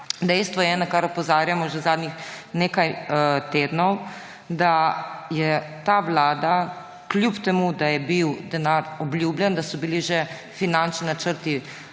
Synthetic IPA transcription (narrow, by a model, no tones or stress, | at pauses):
d̪ɛjst̪ʋɔjɛnakaɾɔpɔzaːɾjamɔʒɛzaːd̪nɲixneːkajt̪eːd̪nɔw | d̪ajɛt̪aːʋlaːd̪a | klʲjupt̪ɛmud̪ajɛbiwd̪ɛnaɾɔblʲjuːblʲjɛnd̪asɔbiliʒɛ | finant͡ʃninat͡ʃəɾt̪i